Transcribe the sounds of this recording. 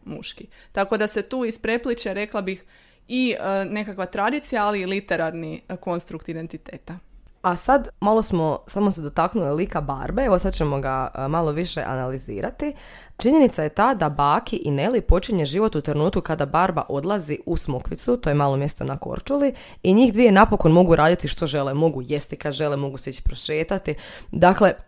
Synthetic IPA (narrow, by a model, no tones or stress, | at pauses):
mṵʃkit̪ako̞d̪aset̪uːispɾe̞plit͡ʃeɾe̞klˠabix | ine̞kakʋat̪ɾad̪it̪sijaaliːlit̪e̞ɾaɾniko̞nst̪ɾukt̪id̪e̞nt̪it̪eːt̪aasad̪malˠo̞smo̞samo̞sed̪o̞t̪aknulilikaba̰ɾbeeʋosad̪̚t͡ʃemo̞ɡamalo̞ʋiʃḛʔa̰nalizḭːɾʔat̪i | t͡ʃiɲe̞nit̪saje̞t̪ad̪abaːkiʔine̞lipo̞t͡ʃiɲe̞ʒiʋo̞t̪ut̪ɾnuːt̪kukad̪abaɾba̰ʔo̞d̪lˠaziusmukʋit̪sut̪ojemaːlˠo̞mje̞st̪o̞̰nako̰ɾt͡ʃuli | iɲiːxd̪ʋije̞napo̞ko̞nmo̞ɡuɾʔaːd̪it̪iʃt̪o̞ʒe̞lemo̞ɡujest̪ikad̪ʒe̞lemo̞ɡuseit͡ɕi̥pɾoʃeːt̪at̪i | d̪akle̞